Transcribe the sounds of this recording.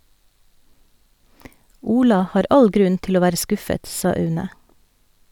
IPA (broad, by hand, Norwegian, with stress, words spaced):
ˈuːlɑ ˈhɑːɾ ˈɑl ˈɡɾʉn ˈtɪl ˈoː ˈʋæːɾə ˈskʊfət ˈsɑː ˈœʉnə